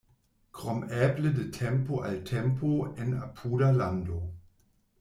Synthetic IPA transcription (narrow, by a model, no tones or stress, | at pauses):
kʁɔmɛːplədətʰɛmpoʔaltʰɛmpʰoena̰pʰuːdalando